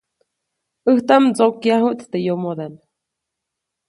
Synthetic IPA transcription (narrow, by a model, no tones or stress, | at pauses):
ɨht̪amt͡sokjaɦuʔt̪t̪ejomod̪en